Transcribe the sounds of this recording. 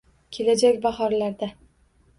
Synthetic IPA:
kʲʰe̞lad͡ʒakʲbaχɒɾlaɾd̪a

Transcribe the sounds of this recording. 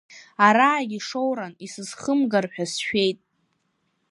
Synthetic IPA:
aɾaːɡʲiʂowɾanisɨzχəmɡarħʷᶣasʃᶣe̞jtʼ

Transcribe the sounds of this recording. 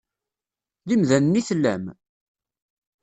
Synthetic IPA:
ðimðænənːiθlːæ̰m

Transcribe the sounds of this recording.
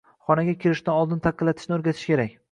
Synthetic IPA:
χɒnaɡʲakʲʰɪɾɪʃd̪anɒlˠd̪ɪnt̪ʰɑqʰːɨlːat̪ʰɪ̥ʃnɪoɾɡʲat̪ʰɪ̥ʃkʲʰe̞ɾakʲ

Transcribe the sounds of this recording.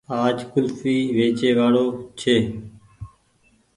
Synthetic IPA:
aːd͡ʒkʊlfiːʋeːt͡ʃeːʋaːɽoːt͡ʃʰeː

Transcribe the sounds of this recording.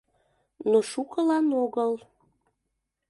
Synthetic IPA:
noʃukəlɑnoɣəl

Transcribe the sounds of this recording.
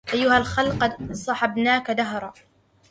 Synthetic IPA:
ʔajːʊhalxalqɑd̪sˤɑħɑbnaːkad̪aɦɾˤɑː

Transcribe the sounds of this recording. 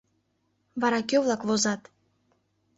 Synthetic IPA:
vɑɾɑkʲøvlˠɑkvozɑt̪

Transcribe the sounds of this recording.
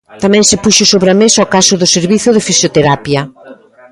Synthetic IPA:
t̪amɛ̃ŋsɪpuʃʊsoβɾamesaokasʊðʊseɾβiθʊðɪfisjot̪eɾapjɐ

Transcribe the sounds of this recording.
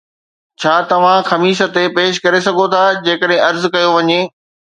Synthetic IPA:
t͡ɕʰaːt̪ɐʋ̤ãxɐmiːʃət̪epeːʃ̬kɐɾes̬ɐɡʱot̪ʰad͡ʑeːkəɗɦɪ̃ɐɾzkɐjoʋɐɲeː

